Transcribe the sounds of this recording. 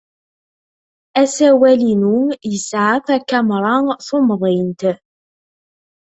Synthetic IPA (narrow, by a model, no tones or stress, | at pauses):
æsæwælinujəsʕafækːæmɾˤɑnθʊmðˤɪnt̪